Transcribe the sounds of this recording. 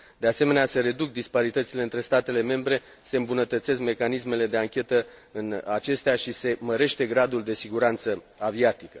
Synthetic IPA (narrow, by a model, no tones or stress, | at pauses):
d̪e̞ase̞me̞nease̞ɾe̞d̪uk̚d̪ispaɾit̪ət̪sileɨnt̪ɾe̞st̪at̪e̞le̞me̞mbɾe̞ | se̞ɨmbunət̪ət̪se̞s̬kme̞kanisme̞le̞d̪e̞aŋkʲe̞t̪əɨnat͡ʃe̞st̪eaʃise̞məɾe̞ʃt̪e̞ɡɾad̪uld̪e̞siɡuɾant̪sə | aviat̪ikə̥